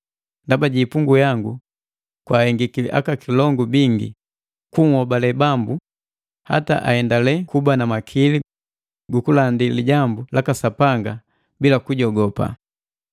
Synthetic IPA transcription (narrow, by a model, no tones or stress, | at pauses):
ndabaɟiːpuŋɡujaŋɡu | kwaːhɛŋɡikilḭʔa̰kakilɔŋɡubiŋɡḭ | kuŋhɔbalɛbambu | ha̰ta̰ʔa̰hɛndalɛkubanamakʰili | ɡukulandiliɟambulakasapaŋɡa | bilakuɟɔɡɔpa̰